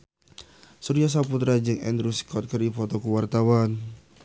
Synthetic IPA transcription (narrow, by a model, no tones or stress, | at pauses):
suɾias̬aput̪ɾad͡ʒɨŋɛ̰nd̪ɾuskɔt̪̚kərifɔt̪ɔkuwart̪awan